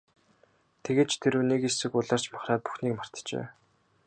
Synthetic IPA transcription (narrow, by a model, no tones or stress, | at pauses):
t̪ʰeɣeːt͡ɕt̪ʰeɾɘːnekesɘ̆kʊɮaːr̥t͡ɕmaχraːt̪̚pu̥xniːkmar̥t̪t͡ɕḛː